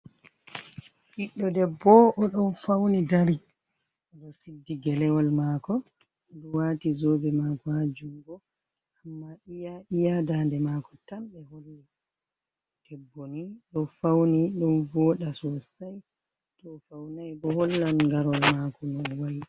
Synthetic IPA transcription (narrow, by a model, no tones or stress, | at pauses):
hiɗːɔdɛbɔʔɔɗɔnfawnidaɾi | ʔɔɗɔsidːiɡɛlɛwɔlmaːkɔ | ɗɔwaːtizoːɡɛmaːkɔhad͡ʒuŋɡɔ | amːaʔijaʔijadandɛmakɔ̥tamɓɛholi | d̥ɛbːoniɗɔfawniɗɔnvɔːɗasɔsaj | tɔfawnajbɔholːanŋɡaɾɔlmakɔnɔnwaj